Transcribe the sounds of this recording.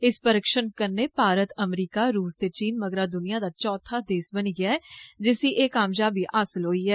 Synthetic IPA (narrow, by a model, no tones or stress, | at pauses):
ɪspəɾəkʃənkəɾnepaːɾət̪əmɾiːkaɾuːst̪eːt͡ʃiːnməɡɾad̪ʊnijad̪aːt͡ʃɔːt̪ʰad̪eːsbəniːɡɪaɛd͡ʒɪsiʔeːkaːmd͡ʒaːbʱiʔaːsəlɦoːiɦɛː